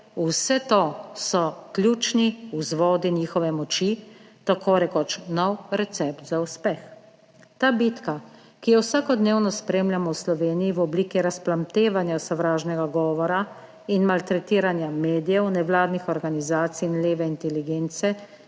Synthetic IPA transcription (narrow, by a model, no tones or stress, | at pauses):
usɛt̪osɔklʲjuːt͡ʃniuzʋɔːd̪iniːxɔʋɛmɔt͡ʃi | t̪akʰoːɾɛkɔt͡ʃnɔwɾɛt̪sɛpt̪zauspɛx | t̪aːbit̪ka | kijɔwsaːkɔd̪neːwnɔspɾeːmlʲjamɔwslɔʋeːnijiʋɔbliːkiɾasplamt̪eːʋanjasɔʋɾaːʒnɛɡaɡɔːʋɔɾa | inmalt̪ɾɛt̪iːɾanjameːd̪ijɛwnɛʋlaːd̪nixɔɾɡanizaːt̪siːnleːʋɛint̪ɛliɡeːnt̪sɛ